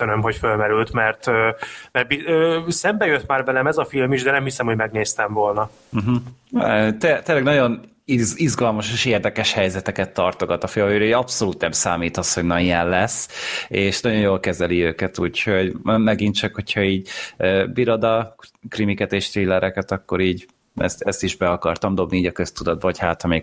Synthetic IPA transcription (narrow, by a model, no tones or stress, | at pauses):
ønømɦo̞cfølmɛɾylt̪mɛrt̪øːmɛrt̪̚biøːsɛmbɛjøt̪ːmaːrvɛlɛmɛzɒfilmiʒd̪ɛnɛmhisɛmho̞ɟmɛɡ̚neːst̪ɛɱvo̞lnɒ | m̩ɦ̩ | t̪et̪eːlːɛɡnɒɟo̞n | izɡɒlmɒʃeːʃeːrd̪ɛkɛʃhɛjzɛt̪ɛkɛt̪ːɒrt̪o̞ɡɒt̪ɒfeːløɾøɒpso̞luːt̪nɛmsaːmiːt̪ɒsho̞ɟnɒniɛllɛseːʃnɒɟo̞jjoːlkɛzɛliøːkɛt̪uːcho̞ɟmɛɡint͡ʃɒkho̞cʰhɒiːɟøːbiɾo̞d̪ɒkrimikɛt̪eːʃt̪ɾiːlːɛɾʔɛkɛt̪ɒkːo̞ɾiːɟ | ɛ̰st̪ɛst̪iʒbɛɒkɒrt̪ɒmd̪o̞bniiːɟɒkø̞st̪ud̪ɒd̪̚bɒochaːt̪hɒmeː